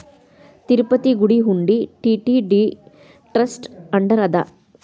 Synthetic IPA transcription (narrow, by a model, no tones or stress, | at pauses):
t̪iɾpɐt̪iɡuɽiɦuɳɖiʈiʈiɖi | ʈɾɐsʈɐɳɖɐɾɐd̪ɐ̰